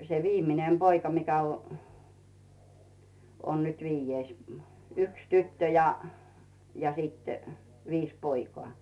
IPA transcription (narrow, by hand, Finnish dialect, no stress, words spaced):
se ʋiːmˑinem b̥oikɑ mikæ o on nyt ʋiːjːeis mu̥ yks tytːø jɑ jɑ sit ʋiːs poikoɑˑ